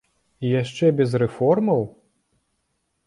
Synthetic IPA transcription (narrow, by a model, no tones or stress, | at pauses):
ijaʂt͡ʂɛbʲɛzɾɛfɔrmɐw